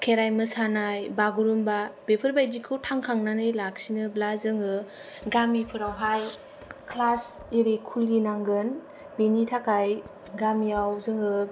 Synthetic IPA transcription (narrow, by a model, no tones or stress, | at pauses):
kʰeɾajmɯsanajbaɡuɾumbabepʰɯɾbajdikʰɯwtʰaŋkʰaŋnanɯjlak̚sinɯblazɯŋɯɡamipʰɯɾawɦaj | kʰlaseɾekʰulɡinaŋɡɯn | benitʰakaj | ɡamijawzɯŋɯ